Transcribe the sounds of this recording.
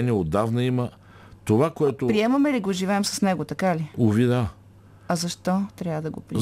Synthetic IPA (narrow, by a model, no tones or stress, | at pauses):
niɛod̪ːavnɐimə | t̪ovakoɛt̪opɾiɛmɐmɛliɡoʒivɛɛmsɐ̥snɛɡot̪ɐkaliʊvid̪a | ɐzɐʃt̪ɔt̪ɾʲavəd̪ɐɡopɾi